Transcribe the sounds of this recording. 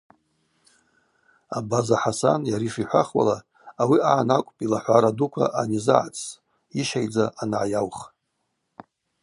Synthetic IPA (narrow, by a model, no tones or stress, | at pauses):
abazaħasa̰njaɾiʂiħʷaχwa̰laː | wiaʕːnakʷʼpʼilaħʷaɾadukʷʰa̰ʔanizɨʕa̰t͡sʼ | iʃajd͡zaʔanʕajawχ